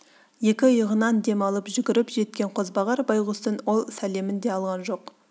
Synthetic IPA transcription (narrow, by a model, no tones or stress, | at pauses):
je̞kʲɪjəʁənɑnd̪e̞mɑlˠəpʒʏɡʲɪɾɪpʒe̞t̪̚kʲe̞ɴqʰo̞zbɑʁɑɾbɑjʁʊst̪ənwo̞lˠsæle̞mɪnd̪e̞ɑlˠʁɑnʒo̞q